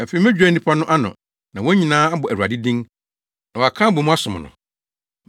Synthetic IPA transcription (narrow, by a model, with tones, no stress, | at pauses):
ɛ˨fe˨i˨mɛ̃˦d͡ʑᶣɛ˨˦ĩ˦pʰa˦nʊ̃˦ʔa˦nʊ̰̃˨ | nã˨wɔ˦ɲĩ˨nãː˦a˦bɔ˨ʔæ˨wa̰˨dɪ˦dĩ˦ŋ | nã˨ɔ˨a˨kʰãː˦bo˨mʊ̃˦a˦sʊ˨m̰̃˨nʊ̰̃˨